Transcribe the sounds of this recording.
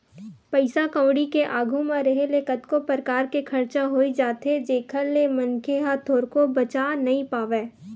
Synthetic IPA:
pɐɪsakãʊ̃ɽikeʔaːɡʱũmãɾɐɦelekət̪kopəɾkaːɾkekʰɐɾt͡ʃaɦoːid͡ʒaːt̪ɦed͡ʒeːkʰəɾnemɐnkeɦat̪ʰoːɾkobɐt͡ʃaːnɐɦĩpaːʋeː

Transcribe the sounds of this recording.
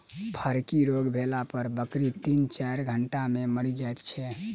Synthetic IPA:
pʰəɾkiɾoɡbʱelapəɾbəkɾit̪int͡ʃajɾɡʱəɳʈameməɽid͡ʒajt̪t͡ʃʰɛ

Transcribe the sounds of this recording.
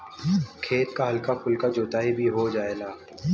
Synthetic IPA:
kʰeːt̪kaɦɐlkakʰʊlkad͡ʒoːt̪aːibʱiɦod͡ʒaːeːlaː

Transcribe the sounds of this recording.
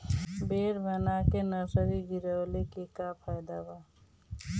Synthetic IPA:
beːɾbənakenəɾsəɾiɡiɾəwlekekapʰaːjd̪aba

